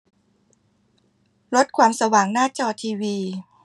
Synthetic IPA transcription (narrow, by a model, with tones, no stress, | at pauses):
ɾo˦˥t̪̚kʰwaː˧msa˧waː˩˦ŋnaː˥˩t͡ɕɔː˧t̪ʰiː˧wiː˧